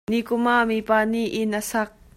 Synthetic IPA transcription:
nikʊmamipaːniʔɪnʔəsak̚

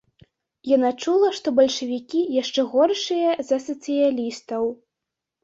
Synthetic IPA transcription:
janat͡ʂulˠɐʂt̪ɔbɐlʲʂɐvʲikʲijaʂt͡ʂɛɣɔrʂɨjɐzɐsɐt̪sɨjalʲist̪ɐw

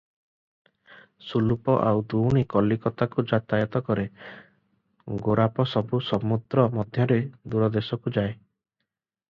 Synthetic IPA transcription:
sulupɔʔawd̪uwɽ̃ikɔlikɔt̪akud͡ʒat̪ajɔt̪ɔkɔɾe | ɡoɾapɔsɔbusɔmud̪ɾɔmɔd̪ʱjɔɾed̪uɾɔd̪esɔkud͡ʒae

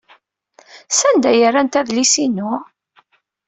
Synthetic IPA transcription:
sænd̪æjəɾːænt̪æðlisinʊ

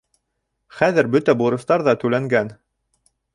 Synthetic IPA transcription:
χæðɘɾbɵt̪æbuɾɤ̆st̪ɑɾðɑt̪ʉlæŋɡæn

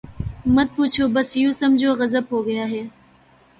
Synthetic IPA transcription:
mɐt̪̚puːt͡ʃʰoːbɐsjuːsɐmd͡ʒʱoːɣɐzəbɦoːɡɐjaːɦɛː

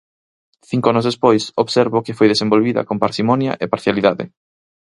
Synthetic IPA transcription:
θiŋkoanʊzðespojsoβseɾβʊkɪfojðesẽmbolβiðɐ̰kompaɾsimɔnjɐ̰ʔepaɾθjaliðaðɪ̰

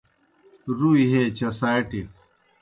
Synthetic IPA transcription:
ɾuiɦeːt͡ɕɐsaːjʈi

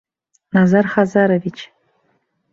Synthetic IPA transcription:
nazarχazaɾovit͡ʃʰ

